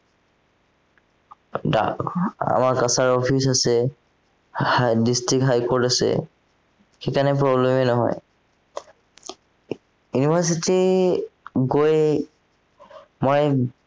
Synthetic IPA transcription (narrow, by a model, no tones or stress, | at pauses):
da̰ka̰maɹkasaɹɔpʰisasɛ | distɹikɦajkɔɹtasɛ̰ | xekanɛpɹɔblemɛnɔɦɔ̰j | junibas̬iti | ɡoj | mɔj